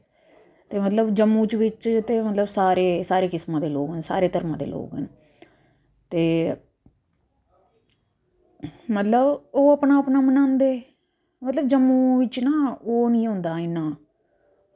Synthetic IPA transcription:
t̪eːmət̪ləbd͡ʒəmːũːt͡ʃʋɪt͡ʃt̪eːmət̪ləbsaːɾeːsaːɾeːkɪsmãːd̪eːloːɡɦə̃nsa̰ːɾeːt̪əɾmãːd̪ḛːlʔo̰ːɡɦɛn | t̪eː | mət̪ləboːəpnaːpnaːmənãːnd̪eː | mət̪ləbd͡ʒəmːũːʋɪt͡ʃnaːoːnĩːɦʊ̃ːnd̪aːɪnaː

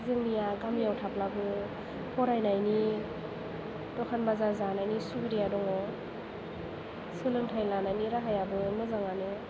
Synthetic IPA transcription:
zɯŋnijaɡamjawtʰaplabɯ | pʰɔɾajnajni | dɔkʰanbazazanajnisubiɾijadɔŋɔ | sɯlɯŋtʰajlanajniɾaɦajabɯmɯzaŋanɯ

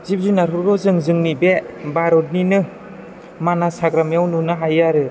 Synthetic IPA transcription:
zip̚zunaɾuɾɔzɯŋzɯŋnibebaɾɔt̚ninɯ | manasaɡɾamjawnunɯɦajaɾɯ

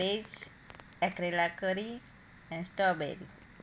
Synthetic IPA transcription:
ed͡ʒ | ɛkɾelakəɾi | ɛ̃nsʈɔbɛ̰ɾḭ

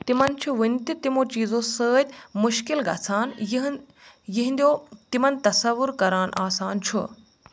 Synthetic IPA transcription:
t̪imɐnt͡ʃʰuʋint̪it̪imõːt͡ʃiːzõsəːd̪ʲmʊʃkilɡɐ̰ːsaːnj | jiɦĩnd̪ijoːt̪imɐnt̪ɐsɐʋʊɾkɐɾaːnʔaːsaːnt͡ʃʰṵ

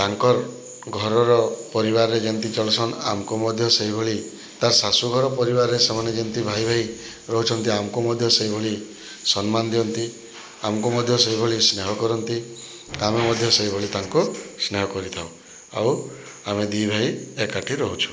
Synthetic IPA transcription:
t̪aŋkɔɾ | ɡʱɔɾɔɾɔpɔɾiβaɾɾed͡ʒent̪it͡ʃɔlɔsʰɔna̰mkumɔd̪ʱjɔseibʱoɭi | t̪aɾsasuɡʱɔɾɔpɔɾibaɾɾesemaned͡ʒent̪ibʱajbʱaj | ɾɔɦut͡ʃʰɔnt̪iamɔkumɔd̪ʱjɔseɦibʱoɭi | sɔnmand̪iɔnt̪i | amɔkumɔd̪ʱjɔseɦibʱoɭisneɦɔkɔɾɔnt̪i | amemɔd̪ʱjɔseibʱoɭit̪aŋkusneɦɔkɔɾit̪ʰaw | a̰w | amed̪ibʱaiekaʈʰiɾɔɦut͡ʃʰu̥

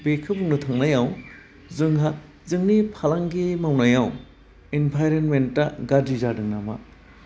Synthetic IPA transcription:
bekʰɯbuŋnutʰaŋnajaw | zɯŋɦa | zɯŋnipʰalaŋɡimawnajaw | inpʰajɾenmentːɐɡadizadɯŋnama̰

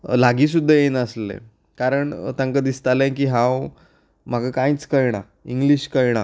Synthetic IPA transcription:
laɡiːs̬ud̪ʱːəjenəslḛ | kaɾəɳt̪ãŋkəd̪ist̪alẽk̬iːɦãw | m̤aɡakãjt͡skəjɳ̃a | iŋɡliɕkəjɽ̃a

